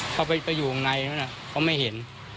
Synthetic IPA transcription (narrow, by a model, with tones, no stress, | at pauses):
pʰɔː˧˩pa˧pa˧juː˨˩˨ŋna˧jnu˦˥˦na˧˩pʰɔ˧˥˩ma˥˩jɦe˩˦n